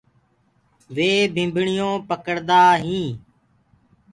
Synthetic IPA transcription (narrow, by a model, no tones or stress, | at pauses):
ʋeːbʱɪ̃mbʱɳɪjõːpəkəɽd̪aːɦĩː